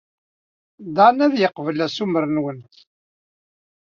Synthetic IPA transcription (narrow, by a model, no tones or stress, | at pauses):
d̪anæðjəqːvəlæsuməɾənwənt̪